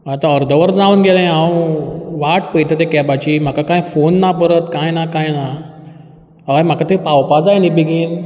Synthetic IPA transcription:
at̪ãəɾd̪ʱəʋəɾd͡zaunɡelãjawʋaʈpəjt̪at̪ekɛbat͡ɕim̤akakãjfonːapəɾət̪kãjnakãjna | ajm̤akat̪epawpad͡zajnibiɡiːn

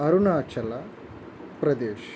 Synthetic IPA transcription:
ɐɾunaːt͡ʃɐlɐ | pɾɐd̪eːʃ

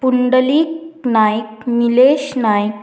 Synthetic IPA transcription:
puɳɖəliːknajkmileɕnajk

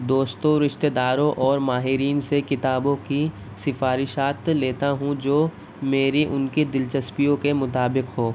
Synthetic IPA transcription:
d̪oːst̪õɾɪʃt̪eːd̪aːɾõʔɔːɾmaːɦɪɾiːnsekɪt̪aːbõki | sɪfaːɾɪʃaːt̪leːt̪aɦũd͡ʒoː | meːɾiʔʊnkid̪ɪlt͡ʃɐspijõkemʊt̪aːbɪqɦoː

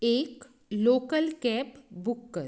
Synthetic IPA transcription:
ek | lokəlkɛpbukːə

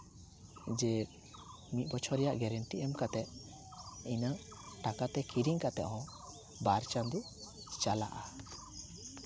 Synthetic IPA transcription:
d͡ʒɛ | mit̪̚ˀbɔt͡ʃʰɔɾɛjaʔɡɛɾɛɳʈiʔɛmkat̪ɛt̪̚ | inaʈakat̪ɛkiɾiŋkat̪ɛ̰ʔɦɔ̃ | baɾt͡ʃand̪i | t͡ʃala̰ʔa

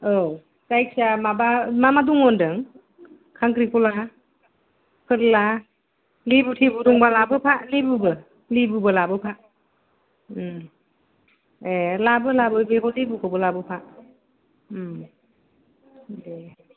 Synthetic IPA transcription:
o | sajk̚samabamamaduŋɔndɯŋ | kʰaŋkɾikɔla | pʰɯɾla | libutʰibuɾuŋbalabɯpʰalibɯbɯ | libubɯlabɯpʰa | elabɯlabɯbekɔlibukʰɔbɯlabɯpʰa | de

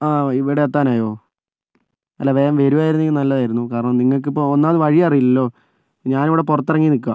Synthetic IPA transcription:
aːiʋiɽeet̪ːaːnaːjo̞ː | ɐtːaːʋeːɾɐmʋeɾuʋaːjiɾunːikːɨnɐlːɐðaːjiɾunːukaːɾɐɳɐmniŋːɐɭk̬ɨipːoonːaːɐðɨʋɐɻijɐrijulːɐlːo̞ː | ɲaːniʋiɽe̞purɐt̪ːirɐŋːinik̬ʲːua

